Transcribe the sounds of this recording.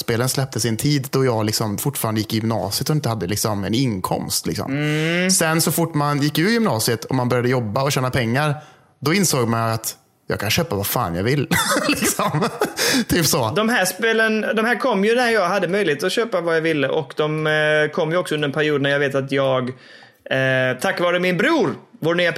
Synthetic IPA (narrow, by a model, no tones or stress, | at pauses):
speːlənslɛp̚t̪ʰəsɪɛnt̪ʰiːd̪d̪ɔjɑːɡlɪksɔmfʊʈːfɑːɾand̪əjɪkːɪjʏmnɑ̰ːsɪət̪ɔɪnt̪əhad̪ːəlɪksɔmɛ̰nɪŋkʰɔ̰mst̪lɪ̰ksɔ̰msɛnsɔfʊʈːmanjɪkːʉ̟ːɾjʏmnɑːsɪət̪ʰɔmanbœɾjad̪əjɔbːaɔɕɛːnapʰɛŋːaɾ | d̪ɔɪnsoːɡmanjaat̪ | jɑ̰ɡkʰanɕøːpavafa̰ːnja̰vɪlːlɪksɔmt̪ʰyːpsɔd̪ɔmɦæːʂpelənd̪ɔmhæːɾkʰɔmːjɵnæɾjɑːɡhad̪ːəmœjlɪheːt̪ɔɕøːpavajavɪlːəʔɔkd̪ɔmkʰɔmːjɵɔksɔɵnəɾɛnpʰæɾɪuːd̪næɾjaɡveːt̪at̪jɑːɡ | t̪ʰakːvɑːɾəmɪnbɾuːɾvoːɾnyːa